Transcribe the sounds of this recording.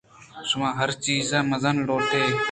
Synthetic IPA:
ʃʊmãːɦəɾt͡ʃiːzãːməzənloːt̪eː

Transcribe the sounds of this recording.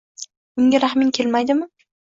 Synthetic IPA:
ʊŋɡʲaɾaχmɪŋkʲʰe̞lmajd̪ɪmɪ

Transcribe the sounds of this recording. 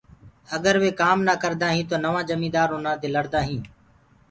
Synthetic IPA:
əɡəɾʋeːkaːmnaːkəɾd̪ãːɦĩːt̪oːnəʋãːd͡ʒəmĩːd̪aːɾoːnãːd̪eːləɽd̪aːɦĩː

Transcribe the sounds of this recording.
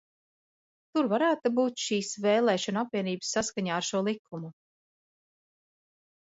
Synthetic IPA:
t̪uɾvaɾæːt̪ubuːt̪ʃiːsvɛːlˠɛːʃɔnapviɛniːbsːaskaɲaːɾʃuɔlˠikʰːumu

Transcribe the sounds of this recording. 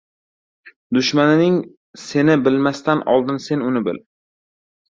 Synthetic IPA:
d̪ʊʃmanɪnɪŋ | se̞nɪbɪlmast̪anʔɒ̰lˠd̪ɪnse̞nʊnɪbɪ̰l

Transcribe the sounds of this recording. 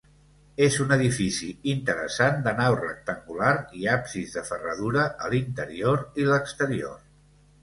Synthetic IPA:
ezunəðifisiint̪əɾə̰sand̪ənawrək̚t̪əŋɡulaɾiapsizðəfərəð̞uɾəʔəlint̪əɾioɾiləkst̪əɾio̰r

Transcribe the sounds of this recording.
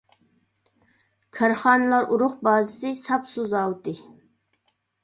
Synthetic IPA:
kʲʰæɾχɑːnɨlˠɑɾʔuɾʊχbɑːzɨsɪsɑpsuzɑwt̪ɨ

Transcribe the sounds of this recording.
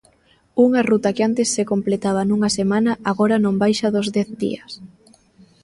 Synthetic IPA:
uŋarut̪akɪant̪esːekomplet̪aβ̞anuŋasemanɐʔaɣɔɾanõmbajʃɐðʊzðɛθd̪ḭɐs

